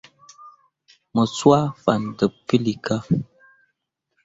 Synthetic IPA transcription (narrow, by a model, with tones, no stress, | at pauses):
mə˨swa˦fa˨n˨də˨p̚pi˦li˨ka˦